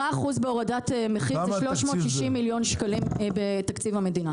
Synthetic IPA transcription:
aaχuzbeo̞ʁadatemeχiʃloʃmo̞tʃiʃimːiljo̞nʃkalimbetakt͡sivhame̞dina

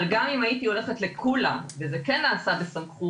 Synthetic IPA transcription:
lɡamimajit̪io̞le̞χetle̞kʰula̰mvezekenːaːsabesamχu

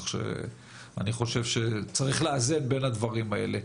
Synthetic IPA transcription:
χʃḛ | aniχo̞ʃe̞vʃe̞t͡saʁiχleazed̪be̞nad̪vaʁimaʔe̞̰le

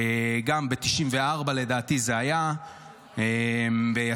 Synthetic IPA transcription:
ɡambet̪iʃimve̞aʁbale̞daːt̪izeaja | embeja

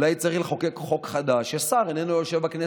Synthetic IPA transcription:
lajt͡saʁileχokekχo̞kχad̪aʃasaʁenenojoʃevbakne

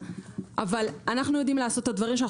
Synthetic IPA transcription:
ʔavalanaχnujod̪imleaso̞t̪ːad̪vaʁimʃ̬ana

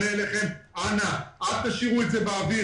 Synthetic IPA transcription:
eleχe̞mʔanaʔad̚t̪aʃiʁuetzebeavi

